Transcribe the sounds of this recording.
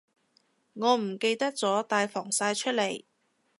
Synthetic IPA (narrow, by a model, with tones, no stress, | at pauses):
ŋɔː˨˧m̩˨˩ke˧jt̪ɐ˥k̚t͡sɔː˨˥t̪aː˧jfɔː˨˩ŋsaː˧jt͡ʃʰɵ˥t̚le˨˩j